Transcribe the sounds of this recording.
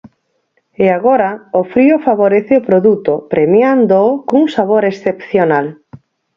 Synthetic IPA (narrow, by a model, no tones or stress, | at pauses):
eaɣoɾaofɾiofaβoɾeθɪopɾoðut̪opɾʔemjand̪okouŋsaβ̞oɾesθepθjonal